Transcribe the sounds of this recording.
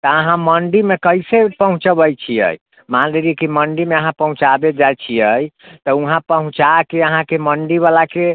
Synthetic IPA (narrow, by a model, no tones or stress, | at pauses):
t̪əəɦãməɳɖimekəjsepəɦũt͡ʃbəjt͡ʃʰiə̰j | manɾeliɛkiməɳɖimeəɦãpəɦũt͡ʃabed͡ʒajt͡ʃʰiəjt̪əũɦãpəɦũt͡ʃakeəɦãkeməɳɖiβalake